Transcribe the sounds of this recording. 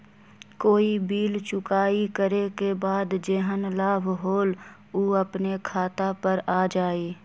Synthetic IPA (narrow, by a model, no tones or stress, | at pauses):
koːibiːlt͡ʃʊkaːikəɾekebaːd̪d͡ʒeɦənlaːbʱɦoːl | uːəpnekʰaːt̪apəɾaːd͡ʒaːiː